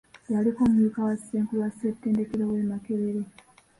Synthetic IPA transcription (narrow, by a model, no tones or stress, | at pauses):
alikomuɲukawasi̥seːŋkuwasisetːeːndekeɾowemakeβeɾe